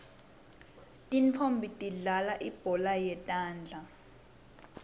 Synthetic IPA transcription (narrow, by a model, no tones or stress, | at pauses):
tʼint͡fʰombʱitʼiɮalaʔib̥ʱɔlajɛtʼaːnd͡ɮʱa